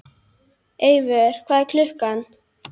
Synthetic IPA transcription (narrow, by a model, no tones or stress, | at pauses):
eːjvɛɾ̥kʰvaːðɛɾkʰlʏhkanː